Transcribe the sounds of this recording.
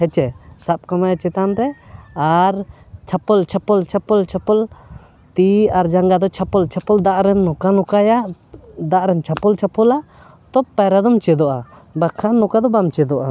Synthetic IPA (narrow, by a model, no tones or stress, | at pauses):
hɛt͡ʃɛsap̚kamajat͡ʃɛt̪anɾɛaɾ | t͡ʃʰapɔlt͡ʃʰapɔlt͡ʃʰapɔlt͡ʃʰapɔl | t̪iaɾd͡ʒaŋɡad̪ɔt͡ʃʰapɔlt͡ʃʰapɔld̪aʔɾɛnːɔkanɔkaja | d̪aʔɾɛnt͡ʃʰapɔlt͡ʃʰapɔla | t̪ɔpaɾad̪ɔmt͡ʃɛd̪ɔʔa | bakʰanɔkad̪ɔbamt͡ʃɛd̪ɔʔa